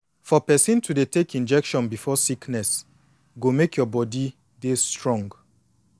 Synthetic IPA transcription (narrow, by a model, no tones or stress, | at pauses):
fɔpɛsĩntʰudetekĩnd͡ʒɛkʃɔ̃nbifɔsiknɛs | ɡomekʰjɔbɔdi | destɹɔ̃ŋɡ